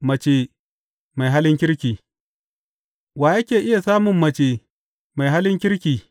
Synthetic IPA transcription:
mɐ˨t͡ʃe˨ | ma˨jɦa˦lɪ˦ŋk̬ʲɪ˦ɾkʲiː˨ | waː˨jɐ˦kʲeː˨ʔɪ˦ja˨saː˦mʊ˨mːɐ˨t͡ʃeː˨ | ma˨jɦa˦lɪ˦ŋkʲɪ˦ɾkʲiː˨

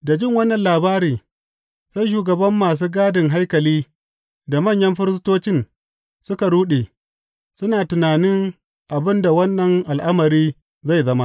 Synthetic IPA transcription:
da˨d͡ʒɪ˦ŋwɐ˦nːɐ˨nlaː˨baː˦ɾiː˨ | sa˦jʃ̬uː˨ɡɐ˨bɐ˦mːaː˨s̬uː˦ɡaː˦dɪ˨ŋɦa˦jkɐ˨liː˦ | da˨mɐ˦˨ɲjɐ˦mɸɪ˦ɾɪ˦stoː˦t͡ʃɪ˦n | sʊ˦ka˨ɽuː˦ɗeː˨ | sʊ˦naː˨tʊ˨naː˨nɪ˦ŋ | ʔa˨bɪ˦nda˨wɐ˦nːɐ˨ŋʔa˨lʔa˦mɐ˨ɾiː˦ | za˦˨jzɐ˦ma˦ʔ

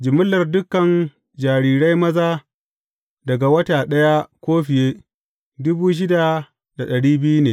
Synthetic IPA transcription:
d͡ʒɪ˨mʊ˦lːɐ˨rdʊ˦kɐ˨n | d͡ʒaː˨ɾiː˨ɾa˦jmɐ˦zaː˦ | dɐ˨ɡa˨wɐ˦taː˨ɗɐ˦ja˦kʷoː˦ɸɪ˨jeː˦ | dʊ˦buː˦ʃ̬ɪ˦da˨ | da˨ɗɐ˨ɽiː˦bɪ˦ju˦neː˨

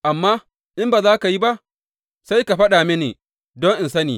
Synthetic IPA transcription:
ʔa˨mːaː˦ | ʔɪ˦mbaː˨zaː˦ka˨ji˦ba˦ʔ | sa˦jka˨ɸɐ˦ɗaː˨mɪ˦neː˨ | dɔ˦ŋʔɪ˨nsɐ˦nḭː˨

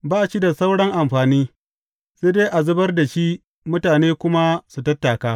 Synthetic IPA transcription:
baː˦ʔa˨t͡ʃi˦da˨sa˦wɽɐ˦ŋʔa˨mɸaː˨niː˦ | seː˦de˦jʔa˨zʊ˦bɐ˦rda˨ʃi˦ | mʊ˦taː˨neː˦kʷʊ˦ma˦su˨tɐ˦tːa˨kaː˦

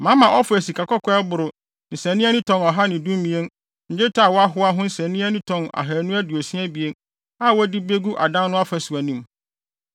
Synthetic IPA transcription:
mã˨˦mã˨ʔɔ˦fʊ˨æ˨si˨kʰa˨kɔ˦kʰɔ˦ɛ˦bʊ˨ɾʊ˨ | nɪ̃˨sɛ̃˨nɪ̃˦a˦nɪ̃˦tʰɔ̃˨nɔ˨ɦa˦nɪ̃˨dũ˦m˦mĩ˨˦e˦n | ɲ̩˨d͡ʑɪ˦tʰa˦˨wɔ˦a˦ɦʊ˦a˦ɦʊ̃˦n̩˦sɛ̃˨nĩ˦æ˦nɪ̃˦tʰɔ̃˨na̰˨ɦa˨nũ˦æ˦du˨o˨si˦æ˦bi˨e˦n | a˦˨wɔ˦di˦be˦ɡu˦ʔa˨dã˦nnʊ̃˦a˦fæ˨sʊ˨æ˨nĩ˦m

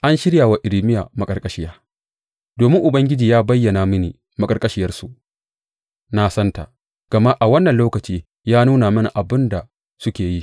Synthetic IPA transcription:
ʔa˦nʃɪ˦ɽja˨wa˨ʔɪ˨ɾi˦mɪ˦jaː˨mɐ˨kʼɐ˨rkʼɐ˦ʃɪ˦jaː˦ | doː˨mɪ˦ŋʔʊ˨bɐ˦ŋɡʲɪ˦d͡ʒiː˨jaː˦bɐ˦jːɐ˨naː˨mɪ˦niː˨ | mɐ˨kʼɐ˨rkʼɐ˦ʃɪ˦jɐ˦rsu˨ʔ | na˦sɐ˦nta̰˨ | ɡ̥ɐ˨ma˦ʔa˨wɐ˦nːɐ˨nloː˦kɐ˨t͡ʃiː˦ | jaː˦nuː˦naː˨mɐ˦na˨ʔa˨bɪ˦nda˨ | sʊ˦kʲeː˨ji˦

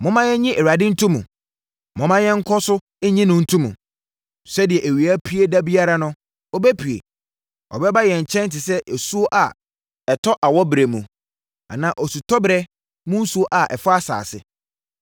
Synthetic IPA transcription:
mʊ̃˦mã˦jɛ˦ɲĩ˦ʔe˨ɾa˨dɪ˦n̩˦tʰũ˦mũ˨ | mʊ̃˦mã˦jɛ˦ŋ̩˦kʰɔ˦sʊ˦ | ɛ˦ɲĩ˦nʊ̃˦n̩˦tʰũ˦mũ˨ | sɛ˦dɪ˨ɛ˨ʔe˨ɥi˨a˦pʰi˦e˦da˦bi˦a˦ɾa˦nʊ̃˦ | ɔ˦bɛ˦pʰɥḛ˨ | ɔ̰˨bɛ˦ba˦jɛ˨ɲ̩˨t͡ɕʰɛ̃˦n˦tɪ˨sɛ˦ʔe˨su˦o˦ʔa˨ | ɛ˨tʰɔ˦ʔa˨wɔ˦bɾe˨mũ˨ | a̰˨nã˨ʔɔ˨su˨tʰɔ˦bɾɛ˦ | mʊ̃˦n̩˦su˦o˦ʔa˨ʔɛ˨fʊ˦a˦sa̰ː˨sɪ̰˨

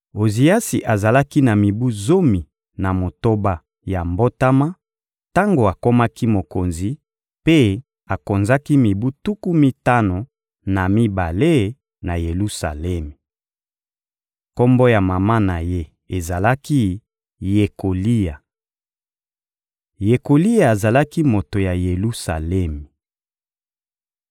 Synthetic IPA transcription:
o˨zi˨ja˦si˨ʔa˨za˨la˦ki˦na˨mi˨bu˦zo˦mi˨ | na˨mo˨to˦ba˦ | ja˨mbo˦ta˦ma˦ | ta˦ŋɡo˨a˨ko˦ma˦ki˦mo˨ko˨nzi˨ | pe˦ | a˨ko˨nza˦ki˦mi˨bu˦tu˦ku˦mi˦ta˦no˨ | na˨mi˦ba˨le˦ | na˨je˨lu˦sa̰˨lɛ˦mi˨ | ko˦mbo˦ja˨ma˨ma˦na˨je˦ | e˨za˨la˦ki˦ | je˨ko˨li˦ja˨ | je˨ko˨li˦ja˨e˨za˨la˦ki˦mo˨to˨ja˨je˨lu˦sa̰˨lɛ˦mi˨

